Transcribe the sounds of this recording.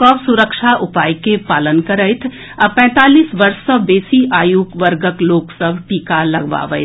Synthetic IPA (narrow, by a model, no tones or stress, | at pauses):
kɔːbsʊɾəkʃaʔʊpaːjkepaːlənkəɾəɪt̪ʰ | ɐpɛ̃ːt̪aːliːsʋɐɾsːɐbeːsiʔaːjuːkʋəɾɡəkloːksəbʱʈiːkalɐɡʋa̰ːʋə̰ɪ